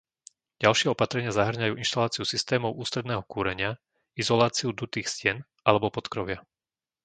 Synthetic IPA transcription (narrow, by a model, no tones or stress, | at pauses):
ɟalʃɪɛɔpat̪ɾɛɲɪazaɦr̩ɲajuːʔinʃt̪alaːt͡siusist̪ɛːmɔʊuːst̪ɾɛd̪nɛːɦɔkuːɾɛɲɪa | izɔlaːt͡siud̪ut̪iːxscɪɛn | ʔalɛbɔpɔt̪kɾɔʋɪa